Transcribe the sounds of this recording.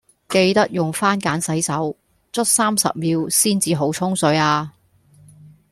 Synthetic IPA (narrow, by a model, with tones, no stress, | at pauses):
ke˧jt̪ɐ˥k̚jʊ˨ŋfaː˥nkaː˨˥nsɐ˨˥jsɐ˨˥w | t͡sʰɵ˥t̚saː˥msɐ̰˨p̚miː˨˧wsiː˥nt͡siː˨˧ɦo˨˥wt͡ʃʰʊ˥ŋsɵ˨˧˥ɥaː˧